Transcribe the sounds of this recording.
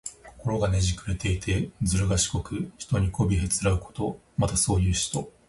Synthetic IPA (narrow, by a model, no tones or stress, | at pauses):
ko̥ko̞ɾo̞ɡane̞ʑikɯ̟ɾe̞t̪e̞it̪ʰe̞d͡zɨɾɯ̟ɡaɕi̥ko̞kɯ̟çi̥t̪o̞ɲ̟ikʰo̞bʲiɦe̞t͡sɨɾaɯ̟ko̞̥t̪o̞ | mat̪aso̞ːjɯ̟ːɕi̥t̪o̞